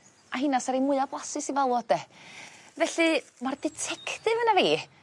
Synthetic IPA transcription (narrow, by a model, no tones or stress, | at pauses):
ʔaɦɪnasaɾejmʊɨablˠasɨsivalˠɔd̥ɛ | vɛɬɨmardɛtʰɛkʰtɨvənaveː